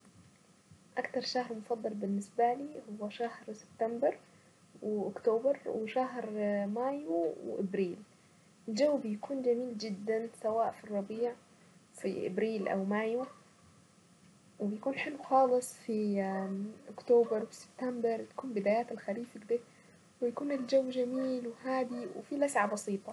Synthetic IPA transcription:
ʔakt̪ɑɾˤʃahɾmʊfɑd̪ˤːɑlbɪnːɪsbaliːhʊwːaʃahɾsɪ̥b̥t̪ambɑɾˤ | wɪʔʊkt̪oːbɑɾwɪʃaɦɾmaːjuwʔɪbɾiːl | ɪld͡ʒawːbɪjakuːnd͡ʒamiːld͡ʒɪd̪ːansawaːʔfirˤːɑbiːʕ | fiʔɪ̰bɾiːlʔa̰wmaːjwa | wɪbɪjakuːnħɪlwxɑːlɨsˤfi | ʔʊkt̪oːbɑɾˤwi̥sɪ̥b̚t̪ambɑɾˤt̪ḁkuːnbɪd̪aːjaːt̪alxaɾiːfɪɡd̪ɪ | wɪjakuːnɪld͡ʒawːd͡ʒamiːlwɪɦaːd̪iwɪ̰filʔasʕabɑsiːt̪ˤɑ

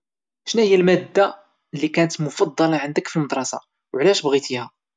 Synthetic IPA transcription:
ʃnæhəjːælmæd̪ːa | lːikænət̪mʊfɑd̪ˤːɑlɑʕənd̪əkfilməd̪ɾˤɑsɑ̰ | wʕlæʃbɣit̪ihæ

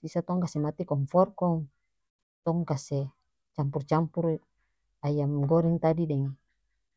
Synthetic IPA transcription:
sisat̪ɔŋkasɛmat̪ikɔŋfɔrkɔŋ | t̪ɔŋkasɛ | t͡ʃampurt͡ʃampur | ajamɡɔɾɛŋt̪adidɛŋe

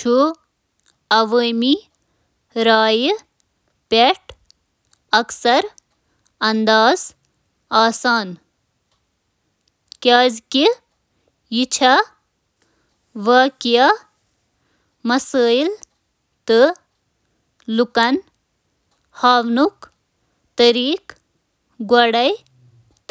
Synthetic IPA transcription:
t͡ʃʰu | ɐʋəːmi | ɾaːj | pʲeʈ | ɐksɐɾ | ɐnd̪aːz | aːsaːn | kʲaːzki | jit͡ʃʰa | ʋɐːkja | mɐsəːjl | t̪ɨ | lukɐn | haːʋnuk | t̪ɐɾiːk | ɡwɐɽɐj | t̪

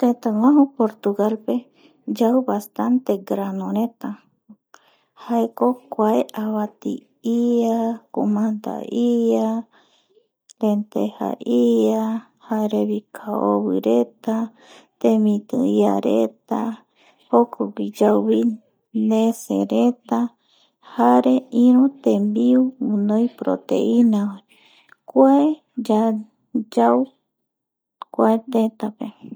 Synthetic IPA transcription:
k̪et̪aŋãɦopoɾt̪uɡalpe | d͡ʒawβast̪ant̪eɡɾanõɾet̪a | haekokʷaeʔaβat̪ḭ | iakomand̪a̰ia | ɾent̪eha̰ʔia | haeɾeβikʰao̰βɨɾet̪a | t̪ẽmĩt̪ɨ̰ia̰ɾet̪a | hokʰoɡʷid͡ʒawβi | nẽsḛɾet̪a | haɾeĩɾũt̪ẽmbiuũnõjpɾo̰t̪ḛʔinawa | kʷae | d͡ʒa | d͡ʒaw | kʷaet̪et̪ape

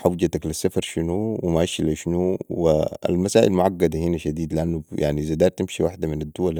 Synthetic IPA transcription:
ħawd͡ʒat̪aklasːafɑɾˤʃinuwimaʔaʃlaʃnuwia̰lmasaːʔilmʊʕaɡːad̪ahinaʃad̪iːd̪liʔanːujʔa̰ʕnizad̪ɑːɾt̪imʃiwaħd̪aminad̪ːuwal

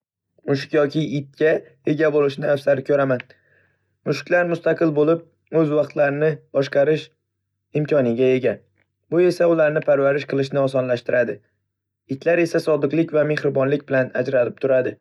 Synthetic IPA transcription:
mʊʃ̬ɪ̥kʲjɒkʲɪɪt̪̚kʲa | e̞ɡʲabolɪʃnɪafsaɾɪkʲʰɵɾaman | mʊʃkʲlaɾmʊst̪aqɨlbolɪp̚ | ɵzvɑqt̪ʰlaɾɪnɪbɒʃqɑɾɪʃ | ɪmkʲʰɒnɪɡʲae̞ɡʲa | bʊe̞saʊlaɾnɪpʰaɾvaɾɪʃqʰɨlˠɪʃnɪɒsɒnlaʃt̪ɪɾad̪ɪ | ɪt̪ʰlaɾe̞sasɒd̪ɨqlˠɪkʲvame̞hɾɪbɒnlɪkʲbɪlanad͡ʒɾalɪp̚t̪ʰʊɾad̪ɪ

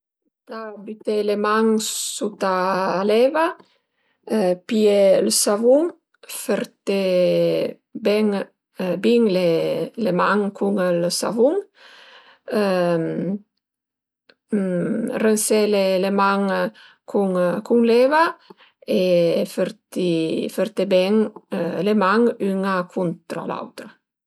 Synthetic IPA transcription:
t̪abit̪elemaŋsut̪aːlɛva | pielsavuŋ | feɾt̪e | bɛŋ | biŋlelemaŋkʰuŋlsa̰vuŋ | m | renselelemaŋ | kʰuŋkuŋlɛva | efeɾt̪ifeɾt̪ebɛŋlemaŋyŋakʰunt̪ɾa̰la̰wt̪ɾa

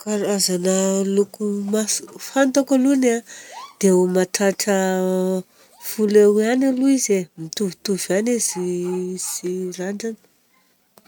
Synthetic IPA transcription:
kaɾazanəlukumasfant̪akalunad̪̥eumaʈ͡ʂaʈ͡ʂə | fulewanaluizemit̪uvit̪uvaneziz̥iraɳɖ͡ʐanə̥

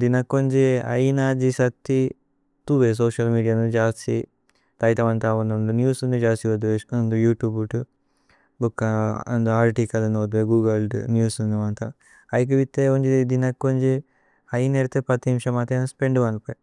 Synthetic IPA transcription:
d̪inɐkːoɲd͡ʒiɐ̰jnaːd͡ʒisɐt̪ːi | t̪uːʋes̬oːʃɐlmiːɖijaːnund̪d͡ʒaːstḭ | t̪ɐjt̪ɐʋɐnt̪aund̪und̪unjuːsund̪id͡ʒaːst̪iʋɐd̪ʋeund̪ujuːʈjuːbuʈu | bukːɐnd̪uaːɾʈiːkɐlɐnod̪eɡuːɡɐlɖnjuːsund̪iʋɐnt̪a | ɐjk̬ɐʋit̪ːeund͡ʒiid̪inɐkːoɲd͡ʒi | ɐjneɾit̪epɐt̪nimʃɐmat̪enɐspeɳɖuʋɐnpɐ

